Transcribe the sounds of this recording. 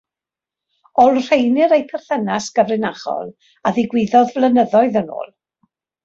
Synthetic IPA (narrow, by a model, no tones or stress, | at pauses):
ɔlˠr̥ejnɪɾejpʰɛr̥θənasɡ̥əvrɪnaχɔ̰lˠ | aðɪɡwɪðɔðvlˠənəðɔɨðəno̰ːlˠ